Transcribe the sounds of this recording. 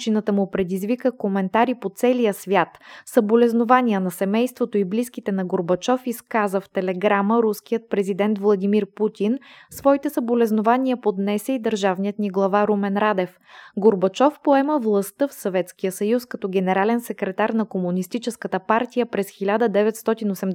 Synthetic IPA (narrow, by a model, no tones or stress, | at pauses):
t͡ʃinət̪əmupɾɛd̪izvikəkomɛnt̪aɾipot̪sɛlijəsvʲjat̪sɐbolɛznovaniənɐsɛmɛjst̪vot̪oibliskit̪ɛnɐɡoɾbɐt͡ʃɔfiskazəft̪ɛlɛɡɾaməɾuskijət̪̚pɾɛzid̪ɛnt̪vlˠɐd̪imiɾput̪ʲinsvɔit̪ɛsɐbolɛznovanʲiəpod̪nɛsɛid̪əɾʒavnijət̪niɡlˠɐvaɾumɛnɾad̪ɛf | ɡoɾbɐt͡ʃɔfpoɛməvlˠɐst̪ɤfsovɛt̪skijəsəjuskɐt̪ɔɡʲɛnɛɾalɛnsɛkɾɛt̪aɾnɐkomunist̪it͡ʃɛskət̪əpaɾt̪ijəpɾɛsxilʲad̪əd̪ɛvɛt̪st̪ɔt̪inosɛm